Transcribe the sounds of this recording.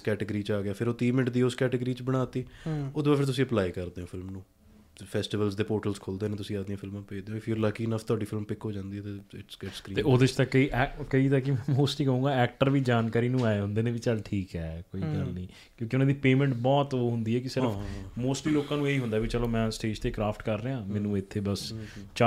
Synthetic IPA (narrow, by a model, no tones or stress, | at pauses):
skɛːʈəɡəɾiːt͡ʃaːɡɪaːpʰɪɾoːt̪iːmɪnɪʈd̪iːoskɛːʈəɡəɾiːt͡ʃbəɽ̃aːt̪iːod̪baːpʰɪɾt̪̬ʊsĩːəplaːikəɾd̪eːɦõːpʰɪlmnũː | pʰɛːsʈɪʋəlzd̪eːpoːɾʈəlzkʰoːld̪eːneːt̪ʊsĩːaːd̪ijãːpʰɪlmãːpeːd̪eːɦõːɪfʰuːɾlaːkiːɪnəpʰt̪ʊaːɖiːfʰɪlmpɪkɦoːd͡ʒãːnd̪iːɦɛːt̪eːɪʈsɡɛʈskɾiːt̪eːoːd̪eɪt͡ʃt̪ãːkəiːʔɛkəiːt̪akːimɛ̃moːsʈlĩːkəũːŋɡaːɛːk̚ʈəɾʋiːd͡ʒaːnkaːɾiːnũːaːeɦʊ̃nd̪eːnẽːʋiːt͡ʃəlʈʰiːkɛːkoːiːɡəlnĩː | kjõːkiʊnãːd̪iːpeːmɛ̃ɳʈbɔːt̪oːɦʊnd̪iːɛːkɪsɪɾfmoːsʈliːloːkãːnũːeːiːɦʊ̃nd̪aːʋiːt͡ʃəloːmɛ̃ːsʈeːd͡ʒt̪eːkɾaːpʰʈkəɾːəːãːmɛ̃ːnũːɪt̪ʰːeːbəst͡ʃa